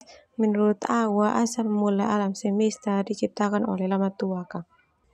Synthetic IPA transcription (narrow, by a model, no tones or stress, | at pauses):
mɛnuɾut̪awaʔasalmulaʔalamsɛmist̪adit͡ʃip̚t̪akano̰lɛhlamat̪uakaŋ